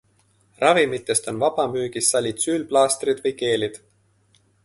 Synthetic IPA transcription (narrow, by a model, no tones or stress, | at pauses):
rɑvimit̪ːˑe̞st̪o̞nvɑb̥ɑmyːɡ̥isːɑlʲit̪syːlplɑːst̪rid̪̥vɤjke̞ːlid̪̥